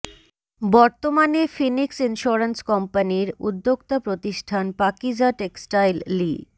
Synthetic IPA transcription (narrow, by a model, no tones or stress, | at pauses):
bɔɾt̪omanefiniksinʃuoɾenskɔmpaniɾṵd̪ːokt̪opɾot̪iʃʈʰanpakid͡ʑaʈeksʈajlːi